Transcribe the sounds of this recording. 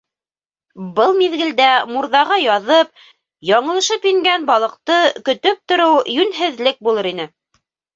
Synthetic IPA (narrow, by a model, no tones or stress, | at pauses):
bɤlˠmiðɡɘ̆ld̪æmuɾðɑʁɑjɑðɤp̚ | jɒɴɤ̆lˠɤ̆ʃɤpjɘŋɡænbɑlˠɤ̆q̚t̪ɤkɵ̆t̪ɵp̚t̪ŏɾɤwjʉnɦɘ̆ðlɘk̚bulˠɤɾin̪ɘ